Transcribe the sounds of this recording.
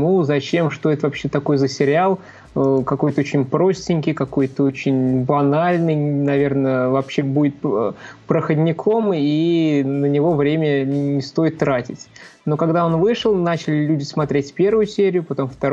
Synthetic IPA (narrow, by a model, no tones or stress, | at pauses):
muzɐt͡ɕe̞mʂt̪o̞ɛt̪əvɐpɕːe̞t̪ɐko̞jzəsʲɪɾʲɪɪalˠ | kɐko̞jt̪əot͡ɕɪnʲpɾo̞sʲtʲɪnʲkʲɪjkɐko̞jt̪əot͡ɕɪnʲbɐnalʲnɨjnɐvʲe̞rnəvɐpɕːebudʲɪt̪̚pɾəxədʲnʲɪkʰo̞minənʲɪvo̞vɾʲemʲənʲɪst̪o̞jɪt̪ːɾatʲɪtʲno̞kɐɡd̪ao̞nvɨʂɨlˠnat͡ɕɪlʲɪlʲudʲɪsmɐt̪ɾʲetʲpʲe̞rvʊjʊsʲeɾʲɪjʊpɐt̪o̞mft̪ɐ